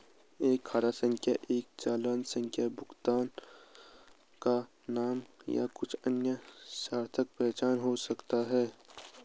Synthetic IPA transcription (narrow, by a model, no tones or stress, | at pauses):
eːkʰːaːɾasə̃ŋkʰja̰ʔeːk̚t͡ʃaːlaːnsə̃ŋkʰjabʊkt̪aːn | ka | naːmja̰kʊt͡ʃʰənjəsaːɾt̪ʰək̚pɛːt͡ʃaːnɦosɐkt̪aɦɛː